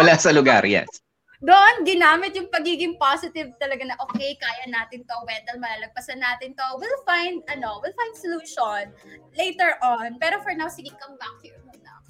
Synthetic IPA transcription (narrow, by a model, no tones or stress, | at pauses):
wɐlaːsɐlʊɡa̰ɾja̰n | d̪oʔonɡɪnaːmɪt̪̚jʊŋpɐɡiːɡɪŋpasɪt̪ɪv̚t̪ɐlɐɡanɐʔoːkejkaːjɐnaːt̪ɪnt̪owɛt̪ɐlmɐlaːlɐɡ̚pɐsɐnːaːt̪ɪnt̪owɪlfajnd̪̚ʔɐno̞wɪlfaj̃nd̪soluːʃonlejt̪ɛɹʔonpɛːɾofɔɹnawsɪɡɪkɐmbak̚humɐnɐw